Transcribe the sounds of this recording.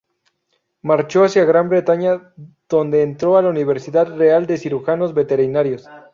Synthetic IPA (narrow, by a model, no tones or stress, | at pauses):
maɾt͡ʃo̞asjaɣɾambɾe̞t̪aɲa | ð̥o̞nd̪e̞ːnt̪ɾoalauniβe̞ɾsiðaðre̞ald̪e̞siɾuxano̞zbe̞t̪e̞ɾinaɾjo̞s